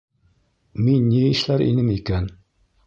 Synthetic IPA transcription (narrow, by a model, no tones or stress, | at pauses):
minːiɘ̆ʃlæɾʔḭnɘmikæn